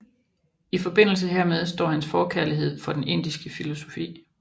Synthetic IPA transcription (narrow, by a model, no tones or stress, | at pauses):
ifɒ̽b̥e̝n̰l̩s̬əɦeɐmeð̞ˠsd̥ɒ̰ːhænsfɒːkʰæɐliɦe̝ð̞̰ˠfɒ̽d̥ene̝n̰d̥isɡ̥əfilo̝so̝̥fḭː